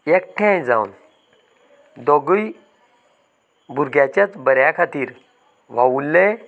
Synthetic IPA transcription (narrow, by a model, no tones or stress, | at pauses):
ɛk̚ʈʰɛ̃d͡za̰wṵn | d̪ɔɡəj | bʱuɾɡjat͡ɕjat͡sbəɾjakʰat̪iːɾ | ʋ̤awulːe